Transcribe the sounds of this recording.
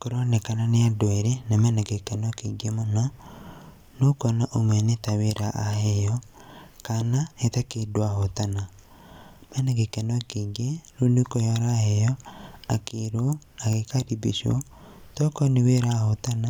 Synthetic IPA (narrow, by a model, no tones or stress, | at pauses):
koɾonekananeadoɛɾenamɛnɛɡekɛnɔkeɡemona | nokɔnaʔomɛnetaweɾaʔahejɔkanahetakedwahotana | mɛnɛɡekɛnɔkeɡeɾunekojaɾahejɔakeɾo | aɣekaɾibḭʃo̰ | tɔkɔneweɾahotana